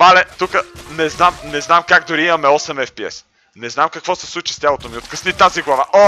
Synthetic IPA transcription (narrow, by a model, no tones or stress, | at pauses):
malɛt̪ukənɛznamnɛznamkaɡd̪ʊɾiimɐmɛɔsɛmɛfpiɛ̰s | nɛznamkɐkvɔsɛ̥slˠut͡ʃi̥st̪ʲalˠot̪omiot̪kəsnit̪aziɡlˠɐvaʔo